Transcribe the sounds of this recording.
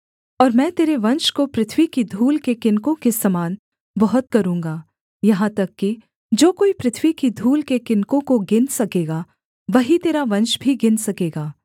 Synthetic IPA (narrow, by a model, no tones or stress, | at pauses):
ɔːɾmɛ̃ːt̪eːɾeʋɐ̃nʃkopɾɪt̪ʰʋikid̪ʱuːlkekɪnkõkesɐmaːn | bɐɦʊt̪̚kɐɾũːŋɡaː | jɐɦãt̪ɐkːi | d͡ʒoːkoːipɾɪt̪ʰʋikid̪ʱuːlkekɪnkõkoɡɪnsɐkeːɡa | ʋɐɦit̪eːɾaʋɐ̃nʃbʱiɡɪnsɐkeːɡaː